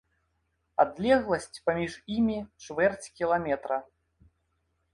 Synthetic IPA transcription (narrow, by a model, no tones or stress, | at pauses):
a̰d̪lʲɛɣlˠɐsʲt͡sʲpamʲiʐimʲit͡ʂvɛrt͡sʲkʲilˠamʲɛt̪ɾɐ